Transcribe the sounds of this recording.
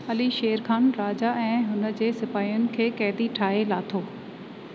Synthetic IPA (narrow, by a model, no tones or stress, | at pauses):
ɐliʃeːəɾkʰaːnɾaːd͡ʑaɛ̃ːɦʊnə̆d͡ʑeːsɪpaːijʊnɪ̆kʰeːkɛːd̪iʈʰaːɦelaːt̪ʰoː